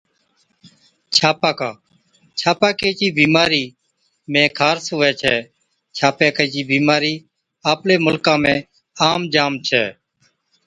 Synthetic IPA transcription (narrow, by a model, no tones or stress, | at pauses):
t͡ʃʰaːpaːkaː | t͡ʃʰaːpaːkeːt͡ʃiːbiːmaːɾiː | mẽːkʰaːɾsʊːɛːt͡ʃʰɛː | t͡ʃʰaːpeːkət͡ʃiːbiːmaːɾiː | aːpleːmʊlkãːmẽː | aːmd͡ʒaːmt͡ʃʰɛ̰ː